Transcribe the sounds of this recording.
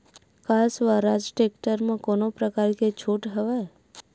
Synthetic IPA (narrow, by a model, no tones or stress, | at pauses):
kasʋaɾad͡ʒʈek̚ʈəɾmãkonopɾəkaːɾket͡ʃʰoːʈɦəʋa